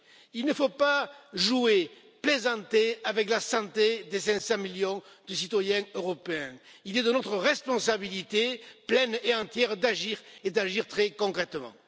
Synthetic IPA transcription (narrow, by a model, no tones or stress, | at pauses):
ilnəfopaʒue | plezɑ̃t̪eavɛklasɑ̃t̪ed̪esɛ̃sɑ̃miljɔ̃d̪əsit̪wajɛ̃øʁɔpeɛ̃ | ilɛd̪ənɔt̪χəʁɛspɔ̃sabilit̪eplɛneɑ̃t̪jɛʁd̪aʒiʁed̪aʒiʁt̪χɛkɔ̃kχɛt̪mɑ̰̃